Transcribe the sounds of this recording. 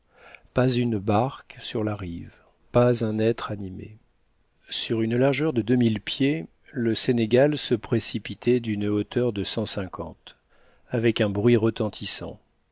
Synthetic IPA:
pazynbaʁksyʁlaʁiv | pazɛ̃nɛt̪χanimḛ | syʁynlaʁʒœʁd̪əd̪ømilpje | ləseneɡalsəpχesipit̪ʰɛd̪ynot̪ʰœʁd̪əsɑ̃sɛ̃kʰɑ̰̃t̪ | avɛkɛ̃bʁɥiʁət̪ɑ̃t̪ʰisɑ̰̃

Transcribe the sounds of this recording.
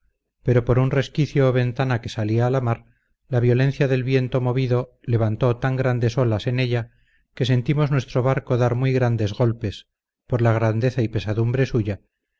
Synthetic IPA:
pe̞ɾo̞po̞ɾunre̞skiθjoːβe̞nt̪anake̞saliaːlamaɾ | laβjo̞le̞n̟θjaðe̞lβje̞nt̪o̞mo̞β̞iðo̞ | le̞β̞ant̪o̞t̪aŋɡɾand̪e̞so̞lase̞ne̞ʎa | ke̞s̬e̞nt̪imo̞znwe̞st̪ɾo̞βaɾko̞ðaɾmwijɣɾand̪e̞zɣo̞lpe̞s | po̞ɾlaɣ̞ɾand̪e̞θaipe̞saðumbɾe̞suʝa

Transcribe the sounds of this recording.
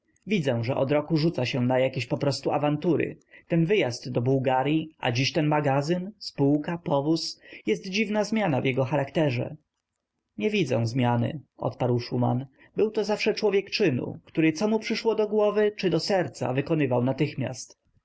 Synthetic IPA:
vʲid̪zɛw̃ʐɛʔɔd̪ɾɔkuʐut̪saɕɛnajakʲeɕpɔpɾɔst̪uavant̪uɾɘ̰t̪ɛnvɘjazt̪ːɔbuwɡaɾʲjiʔa̰d͡ʑiɕt̪ɛnmaɡazɘnspuwkapɔvusjɛst̪d͡ʑivnazmʲjanavjɛɡɔxaɾakt̪ɛʐɛ̰ | ɲɛvʲid̪zɛ̰̃w̃zmʲjanɘ̰ʔɔ̰t̪paɾwʂuma̰n | bɘwt̪ɔzafʂɛt͡ʂwɔvʲjɛkt͡ʂɘnṵkt̪uɾɘt̪sɔmupʂɘʂwɔd̪ɔɡwɔvɘt͡ʂɘd̪ɔsɛɾt̪sa̰vɘkɔnɘvawnat̪ɘxmʲja̰st̪

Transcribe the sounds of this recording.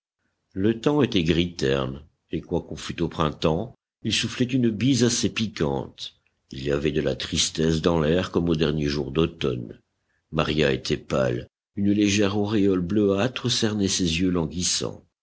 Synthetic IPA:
lət̪ɑ̃et̪ɛɡʁit̪ɛ̰ʁn | ekwakɔ̃fyt̪opχɛ̃t̪ɑ̃ | ilsuflɛt̪ynbizasepikɑ̰̃t̪ | iliavɛd̪əlat̪χist̪ɛsd̪ɑ̃lɛʁkɔmod̪ɛʁnjeʒuʁd̪ot̪ɔ̰n | maʁjaet̪ʰɛpa̰l | ynleʒɛʁɔʁeɔlbløat̪χəsɛʁnɛsezjølɑ̃ɡisɑ̰̃

